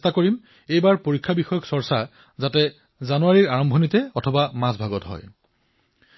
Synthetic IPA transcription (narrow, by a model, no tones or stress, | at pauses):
stakoɹim | ejbaɹpoɹikʰːabixɔjɔksɔɹsa | zatɛ | zanuwaɹiɹaɹɔmbʱɔnitɛɔtʰɔbamãsbʱaɡɔtɦɔ̰j